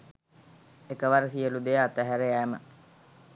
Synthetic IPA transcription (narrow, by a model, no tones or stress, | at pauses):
ekəʋaɾəsijəlud̪ejat̪æɦæɾeæːmə̰